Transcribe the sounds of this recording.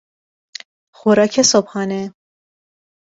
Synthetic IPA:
xoɾɒːkʰesobhɒːne

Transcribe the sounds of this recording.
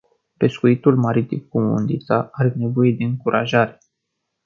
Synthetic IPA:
pe̞skuit̪ulmaɾit̪imkumṵnd̪it̪saaɾene̞vo̞je̞d̪e̞ɨŋkuɾʔaʒaɾe

